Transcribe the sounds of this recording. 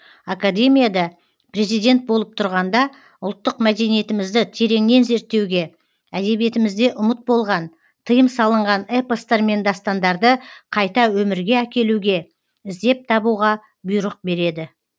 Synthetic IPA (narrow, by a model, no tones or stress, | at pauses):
akad̪e̞mijad̪ɑ | pre̞zijd̪e̞nt̪̚bo̞lˠəp̚t̪ʰʊɾʁɑnd̪ɑ | ʊlˠt̪ːəqmæd̪e̞nije̞t̪ɪmɪzd̪ɪt̪ʰe̞ɾe̞ŋne̞nze̞ɾt̪ːe̞wɡʲe̞ | æd̪e̞βije̞t̪ɪmɪzd̪e̞ʔʊmət̪̚bo̞lˠʁɑn | t̪ʰəjəmsɑlˠəɴʁɑnepəst̪eɾme̞nd̪ɑst̪ɑnd̪ɑɾd̪əqʰɑjt̪ɑwɵmɪɾɡʲe̞ækʲe̞luɡʲe̞ | ɪzd̪e̞p̚t̪ʰɑbuʁɑ | bʊjɾəq̚be̞ɾe̞d̪ɪ